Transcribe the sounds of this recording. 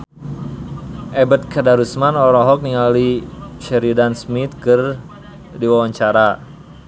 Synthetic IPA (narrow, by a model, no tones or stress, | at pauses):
ʔɛbət̪̚kʰadaɾusmanɔɾɔɦɔk̚niŋaliʃɛɾidansmit̪kɨr | diwawaɲt͡ʃaɾa